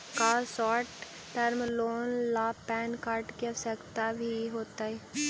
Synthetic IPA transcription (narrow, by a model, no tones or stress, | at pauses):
kaːsɔːʈː | ɐɾmloːnlaːpɛːnkaːɾʈksəkt̪abʱiɦoːt̪aɦɛː